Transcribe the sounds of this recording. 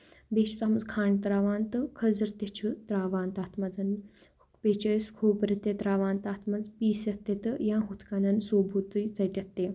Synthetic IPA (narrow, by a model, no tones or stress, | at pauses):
bet͡ʃu̥t̪amɐzkʰaːɳɖt̪ɾaːʋaːnt̪ɨkʰəzɐɾt̪et͡ʃʰut̪ɾaːʋaːnt̪aːt̪ʰmɐd͡zɐn | peːt͡ʃəjskʰuːpɾit̪ːet̪ɾaːʋaːnt̪aːt̪ʰmɐd͡zpiːsɐt̪ːet̪ɨjãːɦut̪ʰkanɐnsoːbʱut̪ɨjt͡sɐʈʲɐt̪ːe